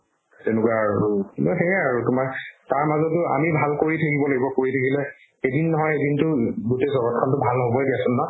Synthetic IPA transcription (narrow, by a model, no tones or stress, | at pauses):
tenʊkwaːɹunɔɦɛɛaɹutʊmaɹtaɹmazɔtʊa̰mibʱalkoɹitʰakibɔlaɡibɔkoɹitʰakʰilɛ | edinːɔɦɔjedintʊɡutezɔɡɔt̚kʰɔntʊbʱalɔɦobɔdiasʊnːɔ